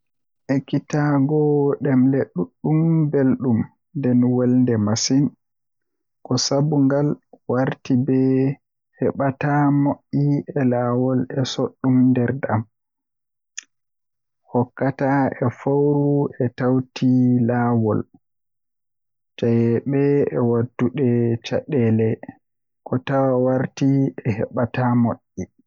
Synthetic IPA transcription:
ʔɛkitaɡɔɗɛmleɗːuɗːumbelɗum | ndɛnwɛlndɛmasin | kɔsabuŋɡalwaɾtibɛ | hɛɓatamoʔːiʔɛlaːwɔlɛsoɗːumndɛɾdam | hɔkːataɛfawɾuɛtawtʰilaːwɔl | d͡ʒajɛɓɛɛwadːuɗɛt͡ʃa̰ɗɛlɛ | kɔtawawaɾtiɛhɛ̰ɓatamoɗːi

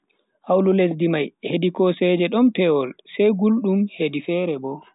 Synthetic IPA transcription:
hawlules̬dimajhedikɔsɛd͡ʒɛɗɔmtɛwɔlsajɡulɗumhedifɛɾɛbɔ

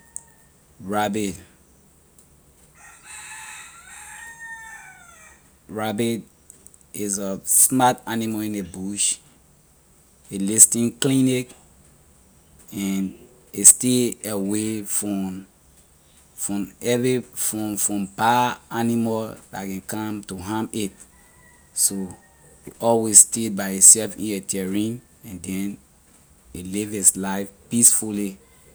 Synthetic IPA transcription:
ɹabit | ɹabit | izəsmataniməĩnebuʃ | elistĩnklinik | ɛn | esteawefɔ | fɹɔ̃mɛvifɔ̃mfɹɔ̃mbaanimɔlda̰kɛ̃nkãmtuɦãmit | so | iʔɔlwesstet̚baɪitsɛlfḭ̃netʰɛɹĩn | ɛ̃ndɛ̃n | ilivislaɪfpisfulli

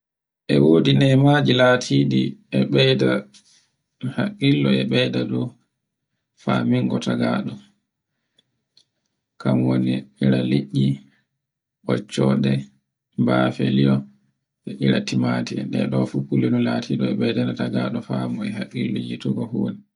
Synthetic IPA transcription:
ʔɛwoːdinɛmad͡ʒilatʰidiɛɓɛjda | hakːilːɔɛɓɛjdadɔ | famiŋɡɔtʰaɡaːɗɔ | kamwoniiɾaliɗːi | ɓɔt͡ʃːɔːɗɛ | mbafeliɔ | ɛʔiɾatimatiɛnɗɛ̰ɗɔfukulinulatʰiɗɔɛɓɛjdanataɡaːɗɔfamɔɛɦakːilːɔjituɡɔhoːni

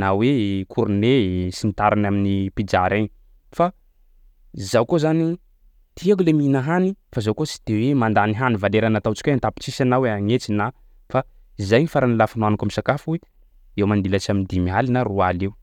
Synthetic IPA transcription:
nawekʰuɾunesinit̪aɾanaminipid͡ʒaɾeɲi | fa | zawkozani | t̪iak̬uleminaɦanifazawkot͡si̥d̪̥ewemand̪aniɦanivaleɾanat̪awt͡ʃi̥keant̪api̥t͡sisanaweaŋet͡sina | fa | izajnifaɾanilafanuanakamisakafuwe | ewmand̪ilat͡ʃamind̪imiɦalinarualeu

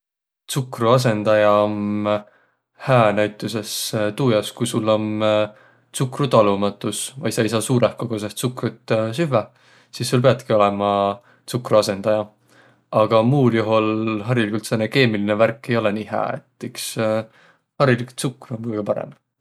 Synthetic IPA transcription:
t̪sukruɑs̬e̞nd̪̥ɑjɑom | hæːnæjt̪ːˑusest̪uːjɑskujsulːo̞m | t̪t͡sukrut̪ɑlumɑt̪ːˑusvɑ̰jsɑjsɑːsuːɾehkokos̬est̪sukrut̪ːsyve | sisːulpeɑt̪kio̞lɛmɑ | t̪t͡sukruɑse̞nd̪̥ɑjɑ | ɑɡ̥ɑmuːljuɦolɦɑɾilikult̪seneke̞ːmilineværkːˑe̞jo̞lɛniːɦæ̰ːḛt̪ːˑeks | hɑɾiliku̥t̪sukːˑruomkujɡ̥epɑɾḛm

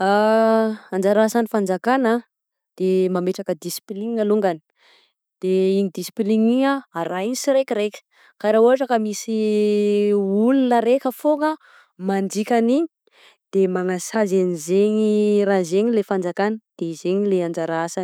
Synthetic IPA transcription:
a | and͡ʒaɾaasanifand͡zakana | d̪̥emameʈ͡ʂakəd̪isi̥pliŋialuŋɡani̥ | d̪̥eiɲid̪isi̥pliŋiɲaaɾainisiɾekʲiɾekʲə̥ | kaɾauaʈ͡ʂakəmisi | ulunəɾekʲəfoŋə | mand͡ʒikʲaniɲi | d̪̥emaŋasazanizeɲirazeɲilefand͡zakanəd̪̥ezeɲileand͡ʒaɾaasani

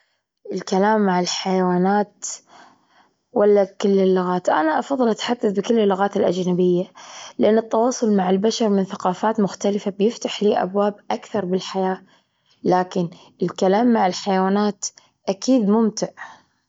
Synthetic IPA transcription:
ʔɪlkalaːmːaʕɪlħajawaːnaːt̪ | walːakɪlːɪlːʊɣaːt̪ʔa̰naʔɑfɑðˤːɨlʔat̪ħad̪ːaθbɪkɪlːɪlːʊɣaːt̪ɪlʔa̰d͡ʒnabɪjːalɪʔanːɨt̪ːɑwɑːsˤʊlmaʕɪlbaʃɑɾˤmɪnθaqɑːfaːt̪mʊxt̪alɪfabjɪft̪aħliːʔa̰bwaːbʔakθɑɾˤbɪlħajaː | laːkɪn | ɪlkalaːmːaʕɪlħajawaːnaːt̪ | ʔakiːd̪mʊmt̪ɪʕ

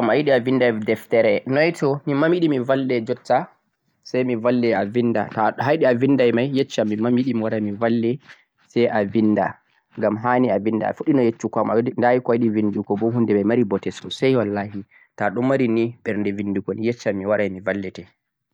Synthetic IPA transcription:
amajiɗiavindajdɛftɛɾɛnɔjtʰɔmimamjiɗimivalːɛd͡ʒɔtːa | sajmivalːɛavinda̰taɦajɗiavindajmajːɛt͡ʃːamːimamiɗimiwaɾajmivalːɛ | sɛjʔavinda̰ | ŋɡamɦaːniavinda̰a̰fuɗinɔjet͡ʃːukamandajikɔjiɗivindukɔbɔɦundɛmajmaɾibɔtɛstɔsajwalːahi | taɗumːaɾiniɓɛɾndɛvinːdukɔnjɛt͡ʃːamːiwaɾajmivalːɛtɛ

